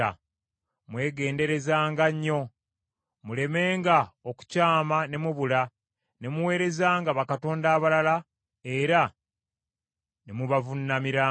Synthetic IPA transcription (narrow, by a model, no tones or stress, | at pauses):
a̰ | mwe̞ːɡe̞ːnde̞ɾe̞zaːŋɡaɲːo̞ | mule̞me̞ːŋɡaoku̥caːmane̞muβula | ne̞muwe̞ːɾe̞zaːŋɡaβakato̞ːndaːβalala | eɾa | nemuβavunːamiɾaː